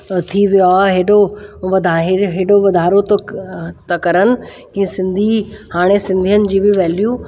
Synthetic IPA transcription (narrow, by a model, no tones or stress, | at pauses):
t̪ʰiʋijoaɦeːɗoʋɐd̪ʱaɦɪɦeːɗoʋɐd̪ʱaːɾot̪t̪ɐkɐɾənɪ̆kĩːsɪ̃nd̪ʱihaːɽ̃esɪ̃nd̪ʱijənɪ̆d͡ʑiːbɪʋɛːljuː